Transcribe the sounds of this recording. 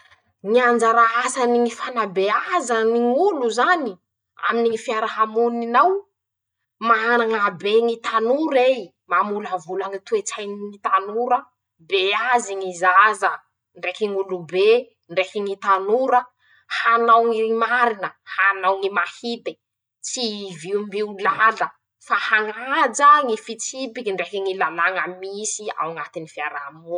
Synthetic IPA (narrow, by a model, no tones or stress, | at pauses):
ŋiand͡ʒaɾaasaniŋifanabeazəniŋuluzani | a̰miniŋifiaɾaɦamuninaw | maanaŋabeŋit̪anuɾej | mamulavulaŋit̪uet͡sajniŋit̪anuɾə | beaziŋizazə | ɳɖ͡ʐekiŋulube | ɳɖ͡ʐekiŋit̪anuɾə | hanawŋiimaɾinəhanawŋimahit̪e̥ | t͡siviumbiulalə | fahaŋad͡ʒaŋifit͡sipikiɳɖ͡ʐekiŋilalaŋəmisia̰wŋat̪inifiaɾamu